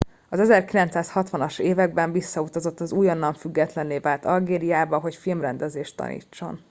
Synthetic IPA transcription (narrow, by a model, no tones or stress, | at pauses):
ɒzɛzɛrkilɛnt̪saːshɒt̪ʋɒnɒʃeːvɛɡ̚bɛɱvisːɒut̪ɒzo̞t̪ːɒzuːjɒnːɒɱfyɡːɛt̪lɛnleːvaːlt̪ɒlɡeːɾijaːbɒɦo̞cfilmrɛnd̪ɛzeːʃt̪ːɒ̰nḭːt͡ʃːo̞̰n